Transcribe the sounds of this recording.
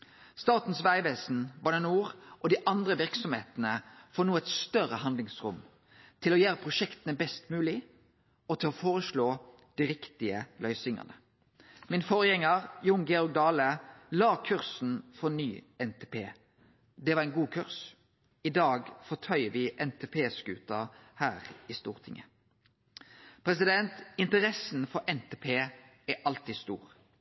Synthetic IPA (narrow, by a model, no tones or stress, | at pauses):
st̪ɑːt̪n̩sʋæɪʋeːsn̩bɑnənuːʁʔɔd̪iʔɑnd̪ʁəʋɪʁksɔmhḛːt̪nəfɔːnuːɛt̪st̪œʁəɦɑnd̪lɪŋsʁʊ̰m | t̪ʰɪlɔjeːʁəpʰʁʊʃɛkt̪ənəbɛst̪mʉːlɪ | ɔt̪ʰɪlɔfoːʁəʃloː | d̪̥iʁɪkt̪ɪəlœʏsɪŋə̰nə | mɪnfɔːɾəjɛŋːəʁjʊŋɡɛɔɾɡ̚d̪ɑːləlɑːkʰʉʁsn̩fɔnyːɛnt̪ʰeːpʰeː | d̪ɛʋɑʁɛɪnɡuːkʰʉʁs | ɪd̪ɑːɡfɔt̪ʰœʏəʋɪʔɛnt̪ʰeːpʰeːsɡʉːt̪ɑhæːʁɪst̪ṵːʁt̪ʰɪŋə | pʰɾɛsɪd̪ɛnt̪ɪnt̪əɾɛsn̩fɔɾʔɛnt̪ʰeːpʰeː | ɛʔɑlt̪iːst̪ṵːʁ